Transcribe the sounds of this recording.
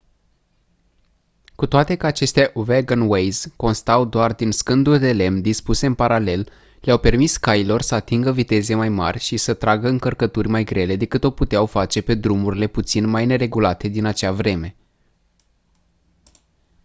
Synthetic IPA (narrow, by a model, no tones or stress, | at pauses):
kut̪oat̪e̞kəat͡ʃe̞st̪ʲaʔuveɡanwejz̥ko̞nst̪awd̪oard̪inskɨnd̪uld̪e̞le̞md̪ispuse̞ɨnpaɾale̞l | leawpe̞rmiskailo̞rsəat̪iŋɡəvit̪e̞ze̞majma̰rʲʃisət̪ɾaɡəɨŋkərkət̪urʲmajɡɾe̞le̞d̪e̞kɨt̪o̞put̪eawfat͡ʃe̞pe̞d̪ɾumuɾile̞put̪sinmajne̞ɾe̞ɡulat̪e̞d̪inat͡ʃavɾe̞me̞